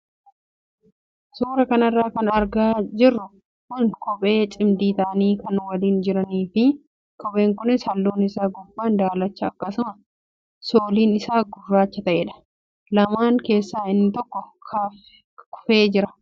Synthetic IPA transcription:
suːɾɐkɐnɐrːaːkɐnɐɾɡaːd͡ʒɪrːʊ | kʊnkʰɔpʼe̞ːt͡ʃʼɪmd̪iːt̪ɐʔɐniːkɐnwɐliːnd͡ʒɪɾɐniːfɪ | kɔpʼe̞ːŋkʊnɪsɐlːuːnɪsaːɡʊbːaːnd̪aːlɐt͡ʃːɐːkːɐsʊmɐ | soːliːnɪsaːɡʊrːaːt͡ʃːɐt̪ɐʔeːᶑɐ̥ | lɐmaːŋke̞ːsːaːɪnːɪt̪ɔkːɔkʰaf | kʊ̥fe̞ːd͡ʒɪɾɐ̥

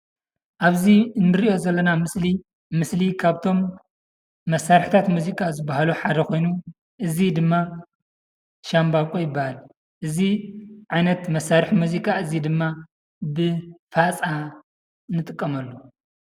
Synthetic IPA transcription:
ʔaβzinːɨɾiʔo̞zɐlːɐnamɨsli | mɨslikʰaβt̪ʰo̞mː | ɐsːaɾɨħt̪ʰat̪muzikʼazɨbːahaluħad̪ɐxo̞jnu | ʔɨzid̪ɨmːa | ʃambakʼojɪbːahal | ʔɨziʕajnɐt̪mɐsːaɾɨħmuzikʼaɨzid̪ɨmːa | bɨfat͡sʼa | nɨt̪ʼɨkʼːɐmɐlːo

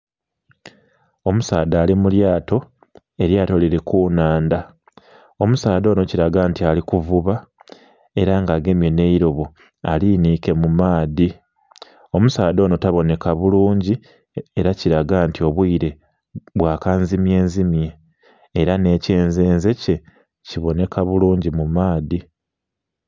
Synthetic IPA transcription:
o̞musaːdaːlimuljaːto̞ | e̞ɾjaːto̞liɾekuːnaːnda | o̞musaːd̪o̞ːno̞ciɾaɡaːntialikuvuβa | e̞ɾaŋɡaːɡe̞mje̞ne̞iɾo̞βu | a̰liːniːke̞mumaːði | o̞musaːdo̞ːno̞taβo̞ne̞kaβuluːɲɟi | eɾaciɾaɡaːntio̞βwiːɾe̞ | βwaːkanzimje̞ːnzimjeː | ɾane̞ːce̞ːnze̞ːnze̞ce̞ | ciβo̞ne̞kaβuluːɲɟimumaːði

